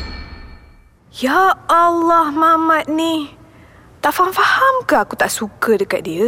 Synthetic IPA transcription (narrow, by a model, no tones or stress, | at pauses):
jaalːɔhmamãt̪̚ni | t̪aʔfaɦamfahamkahakut̪aʔsukədəkat̪̚diə